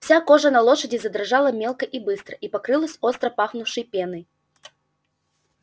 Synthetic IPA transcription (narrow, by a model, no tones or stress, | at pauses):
fsʲakoʐənɐlˠoʂədʲɪzɐd̪ɾɐʐalˠɐmʲelˠkəʔibɨst̪ɾəʔipɐkɾɨlˠəsʲost̪ɾəpaxnʊʂɨjpʲenɨj